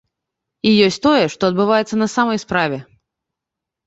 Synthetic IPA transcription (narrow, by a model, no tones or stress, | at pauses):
ijɔsʲt̪ɔjɛʂt̪ɔɐd̪̚bɨvajɛt̪sːɐnɐsamɐjspɾavʲɛ